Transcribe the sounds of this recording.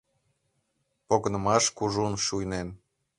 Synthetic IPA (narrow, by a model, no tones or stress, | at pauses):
poɣənə̆mɑʃkuʒunʃujnen